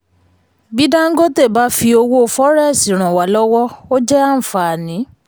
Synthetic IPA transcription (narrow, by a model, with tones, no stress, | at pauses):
bi˦da˦ŋ̩˦ɡo˦te˦˨ba˨˧˦fi˧o˧wo˦˧˨fɔ˦ɾɛ˦˨si˨ɾ̃ã˨wa˨lɔ˦wɔ˦o˦d͡ʒɛ˦ã˦˨fa˨nĩ˨˦